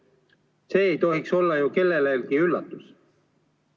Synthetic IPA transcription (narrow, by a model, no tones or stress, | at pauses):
se̞ːejt̪o̞ɦikso̞lːɑjuke̞lːe̞leːlkiylːɑt̪ːˑus